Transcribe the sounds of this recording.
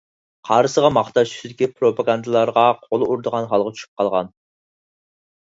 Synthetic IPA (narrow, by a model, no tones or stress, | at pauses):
qʰɑɾɨsəʁɑmɑχt̪ɑʃt͡ʃʰy̥sɪd̪ɪkʲipʰɾopʰɑɡɑnd̪ɨlˠɑɾʁɑqʰolˠɨuɾd̪əʁɑnχɑlˠʁɑt͡ʃʰy̥ʃy̥p̚qʰɑlˠʁɑ̰n